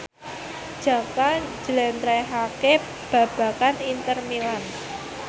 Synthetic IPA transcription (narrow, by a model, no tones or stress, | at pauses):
d͡ʒ̥a̤kḁd͡ʒəlɛnt̪ɾɛɦake | b̥a̤b̥a̤kanint̪ərmilan